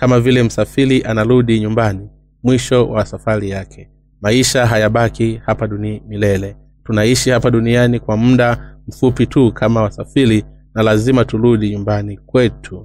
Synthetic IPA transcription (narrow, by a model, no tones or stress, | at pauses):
kamavilɛm̩safiɾiʔanaɾuɗiɲumbani | mwiʃɔwʔasafaɾijakʰɛ̥ | maiʃaɦajaɓakihapaɗunmilɛlɛ | tunaiʃihapaɗunianikwamm̩ɗam̩fupitukʰamawasafiɾi | nalazimatuɾuɗiɲumbanikwɛtʰu